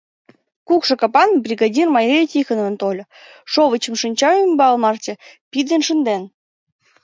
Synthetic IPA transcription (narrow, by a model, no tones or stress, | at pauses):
kukʃɤ̆kɑpɑnbrʲiɡɑdʲirmɑjejtʲixə̆nə̆nt̪olʲ | ʃoβə̆t͡ɕə̆mʃɨnʲt͡ɕɑymbɑlˠmɑrt̪ʲĕpʲid̪enʃənd̪en